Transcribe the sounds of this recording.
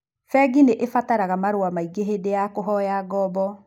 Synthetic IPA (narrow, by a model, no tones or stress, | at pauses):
fɛɡineʔefataɾaɣamaɾoamaiɡeɦedejakoɦɔjaɡɔːbɔ